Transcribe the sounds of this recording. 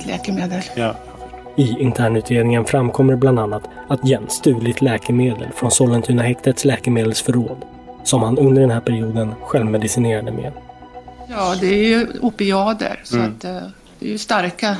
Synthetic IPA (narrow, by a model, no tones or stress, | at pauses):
lɛ̰ːkəmeːd̪əl | ɪɪnt̪ʰæːɳʉ̟ːt̪ɾeːd̪nɪŋənfɾamkʰɔmːəɾbland̪anːat̪at̪jɛnst̪ʉ̟ːlɪt̪lɛːkɛɾmeːd̪ə̰lfɾɔnsɔlɛnt̪ʰyːnaɦɛkt̪ət̪slɛːkəmeːd̪əlsfœɾoːd̪ | sɔmhanɵnd̪əɖɛnɦæːɾpʰæɾɪuːd̪ənɧɛlvmɛd̪ɪsɪneːɾad̪əmḛː | jɑːd̪ɛæɾjɵʊpɪɑːd̪ə̰ɾsɔat̪ | d̪̥ɛjəst̪aɾka